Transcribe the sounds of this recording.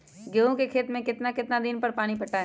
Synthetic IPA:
ɡeːɦõkekʰeːt̪mẽkɪt̪nakɪt̪nad̪ɪnpɐɾpaːɽ̃ipɐʈaɦɛ

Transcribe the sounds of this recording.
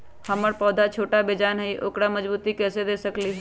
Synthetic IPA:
həməɾpɔːd̪ʱat͡ʃʰoːʈabeːd͡ʒaːnɦiʔo̰ːkɽaməd͡ʒbuːt̪ikɛːsed̪eːsəkliɦɛ

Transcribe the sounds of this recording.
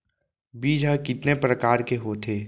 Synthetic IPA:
biːd͡ʒʱɦəkɪt̪nepɾəkaːɾkeɦoːt̪ʰeː

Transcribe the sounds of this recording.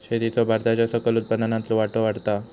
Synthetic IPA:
ɕed̪it̪ɔbʱaɾt̪at͡ɕjasəkəlut̪̚pənanãnt̪loʋaʈoʋaɽt̪a

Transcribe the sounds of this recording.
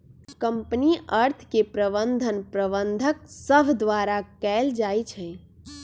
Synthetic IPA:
kəmpniəɾt̪ʰkepɾəbənd̪ʱənpɾəbənd̪ʱək̚səbʱd̪ʋaɾakɛld͡ʒajt͡ʃʰɛ̃

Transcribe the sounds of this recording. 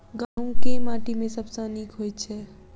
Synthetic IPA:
ɡamkemãːʈimẽsəbsə̃nikɦojt͡ʃʰɛ

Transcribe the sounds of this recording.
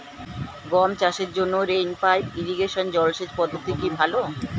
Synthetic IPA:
ɡɔmt͡ɕaʃeɾd͡ʑonːoɾejnpajiɾiɡeʃond͡ʑɔlʃet͡ɕpɔd̪ʱːokt̪ikibʱalo

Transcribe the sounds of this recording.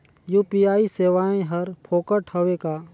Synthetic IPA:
juːpijaːiseːʋaːẽɦɐɾpʰoːkəʈʰhəʋekaː

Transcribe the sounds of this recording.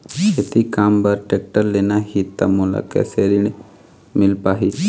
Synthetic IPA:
et̪ikaːmbəɾʈek̚ʈəɾleːnaɦit̪ːa̰mula̰kɛ̰seɾin | mɪlpaːɦi

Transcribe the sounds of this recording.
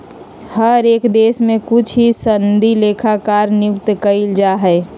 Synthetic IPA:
həɾeːkd̪eːsmẽkʊt͡ʃʰɦisənd̪ʱileːkʰakaːɾnjʊk̚t̪kəɪld͡ʒaɦɛ

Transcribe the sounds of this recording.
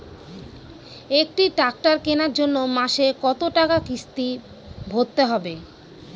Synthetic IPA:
ek̚ʈiʈak̚ʈaɾkenaɾd͡ʑonːomaʃekɔt̪oʈakakist̪i | bʱod̪̚t̪eɦɔbe

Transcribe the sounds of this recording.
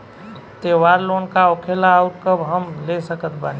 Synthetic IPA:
t̪eʋaɾlonkaokʰelaːuʈ̚kəbɦəmlesəkət̪ʰbani

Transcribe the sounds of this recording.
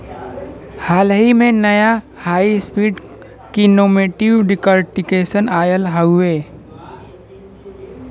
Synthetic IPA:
haːlɦimẽnɐja | haːispiːɖ | kinoːmeːʈiʋɖɪkəɾʈɪkeːsənaːjəlɦəʊeː

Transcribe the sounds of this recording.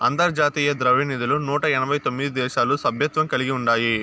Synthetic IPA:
ɐnt̪ɐɾd͡ʒaːt̪iːjɐd̪ɾɐʋinid̪ulunuːʈɐɛnɐbʱɐjt̪omːid̪id̪ɛːʃaːlusɐbʱjɐt̪ʋɐmkɐliɡiuɳɖaːji

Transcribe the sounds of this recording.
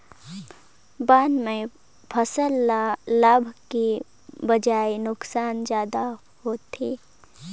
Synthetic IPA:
baːnmẽ | pʰəsəlːalabʱki | bɐd͡ʒaːenʊksaːnd͡ʒjaːd̪a | ɦoːt̪ʰiː

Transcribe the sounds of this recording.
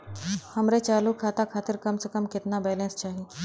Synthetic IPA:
hɐmɾet͡ʃaːlukʰːaːt̪akʰaːt̪ɪɾkɐmsekəmkɪt̪nabɛːlɛ̃nst͡ʃaːɦiː

